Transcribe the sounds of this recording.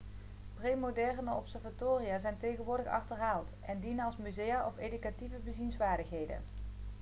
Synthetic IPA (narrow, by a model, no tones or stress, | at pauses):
prejmodɛrnəɔpsɛɹvatoːrijaːzɛjntejɣənʋʊːɹdəχɑ̰χtərɦaːlˠtʔɛndinənɑlˠsmyzejaʔɔfejdykativəbəzinsʋaːɹdəχɦejdə̰